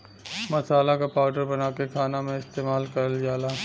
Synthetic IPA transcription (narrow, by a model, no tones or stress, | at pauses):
mɐsaːlakapaːʊɖəɾbɐnaːkekʰaːnamẽɪst̪eːmaːlkɐɾəljaːlaː